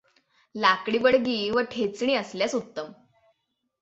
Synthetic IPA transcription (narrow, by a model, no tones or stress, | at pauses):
lakɽiːbəɽɡiːʋəʈʰet͡sɳ̃iːəsljasut̪ːəm